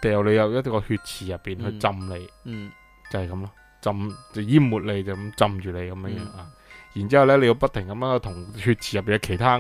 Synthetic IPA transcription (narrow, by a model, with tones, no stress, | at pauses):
t̪ɛː˨wle˨˧jɐ˨˧wjɐ˥tkɔː˧hyː˧t̚t͡sʰiː˨˩jɐ˨pːiː˨nhɵ˧t͡sɐ˧mle˨˧j | t͡sɐ˨hɐ˨˩kɐ˨˦mlɔ˧˥ | t͡sɐ˧mt͡sɛ˧jiː˥mmuː˨˩t̚le˨˧jt͡sɐ˨˩kɐ˨˦mt͡sɐ˧mt͡ʃyː˨le˨˧jkɐ˨˦mjœː˧ŋjœː˧˥ŋaː˧ji˨˩nt͡siː˥hɐ˨wlɛː˥le˨˧ji˧wpɐ˥t̚t̪ʰɪ˨˩ŋkɐ˨˥mjœː˧˥ŋhɵ˧t̪ʰʊ˨˩ŋhyː˧t̚t͡sʰiː˨˩jɐ˨pi˨˩nɐ˧wkʰe˨˩jt̪ʰaː˥